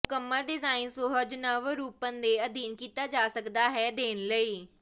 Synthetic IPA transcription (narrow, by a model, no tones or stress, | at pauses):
ʊkəmːəlɖɪzaːɪnsoɦəd͡ʒnəʋəɾuːpənd̪eːəd̪iːnkiːt̪aːd͡ʒaːsəkd̪aːɦɛːd̪eːnləiː